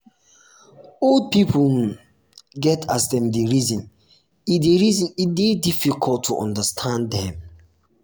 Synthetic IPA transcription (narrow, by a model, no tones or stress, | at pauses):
old̚pipu | ɡɛtʰasdɛ̃mdeɹizĩn | ideɹizĩnidedifikʰɔltʰːuʔɔ̰̃ndəstʰãndɛ̃m